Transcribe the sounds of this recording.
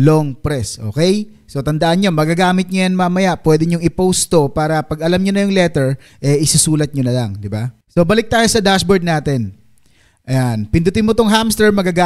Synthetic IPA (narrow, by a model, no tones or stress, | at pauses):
loŋpɾɛsʔo̞̰ːkɛj | so̞t̪ɐnd̪ɐʔɐnɲo̞mɐɡaɡaːmɪt̪̚ɲojɐnmɐmɐjaʔpwɛːd̪ɛɲʊŋɪpowst̪o̞paːɾɐpɐɡɐlamɲonɐjʊŋlɛt̪ɛɹ | ʔɛɪsusuːlɐt̪̚ɲonɐlaŋd̪ɪba | so̞bɐlɪk̚t̪aːjo̞sɐd̪asboɹd̪̚naːt̪ɛn | ʔɐjanpɪnd̪ʊt̪ɪmot̪oŋɦamst̪ɛɹmɐɡaɡa